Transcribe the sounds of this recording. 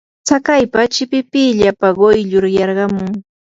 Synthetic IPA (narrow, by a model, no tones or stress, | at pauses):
t͡sakajpat͡ʃɪpɪpɪʎapaɢojʎʊɾjɑɾɢɑmʊŋ